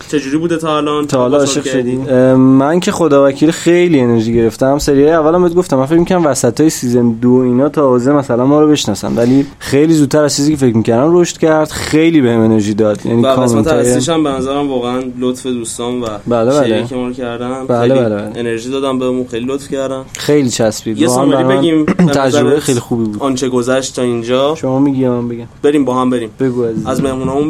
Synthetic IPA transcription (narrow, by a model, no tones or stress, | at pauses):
t͡ʃʰed͡ʒuɾibuːd̪et̪ʰɒːlɒnt̪ʰɒːlɒːʃiʁ | mæncʰe̞χod̪ɒːvæcʰiːlxejlie̞ne̞ɾʒiːɟe̞ɾe̞ft̪æmseɾijɒːjeævːælæmbɔjd̪̚ɡo̞ft̪æmːænfe̞cmikʰæɾæmvæsæt̪ʰɒːjesizemd̪oiːnɒːt̪ʰɒzemæsælænmɒːɾobe̞ʃnɒːsæ̰mvæliː | xejliːzud̪t̪̚t̪ʰːæɾæzt͡ʃʰiziːcʰefe̞cmiːcæɾd̪æmroʃt̪cʰæɾd̪̥xejliːbe̞heme̞ne̞ɾʒiːd̪ɒːd̪̥jæ̰nikʰɒːment̪ʰːjeiʃæmbenæzæɾæmvɒːɣeænlot̪fed̪uːst̪ɒːnvæbælebæleikʰemɔːɾocʰæɾd̪æbæleælebæleeneɾʒiːd̪ɒːd̪ænbeɾmunxejlilot̪fcæɾd̪ænxejliːt͡ʃʰæsbiːd̪eɔɣænbæɾɔenimt̪ʰæd͡ʒɾobejexejlixuːbiːbuːd̪ɒnt͡ʃʰeɡozæʃt̪ʰːɒind͡ʒɒːʃomɒːmiːɡimbeɡæmbe̞ɾiːmbɒːhæmbeɾiːmb̥e̞ɡuæzizæzme̞hmunɒmun